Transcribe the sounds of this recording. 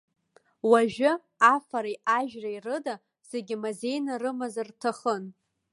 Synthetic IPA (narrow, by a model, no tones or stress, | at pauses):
waʒᶣɪ | afaɾajʔaʒᶣrairɨda | z̥eɡʲɪmaze̞jnarɨmazartʰaχən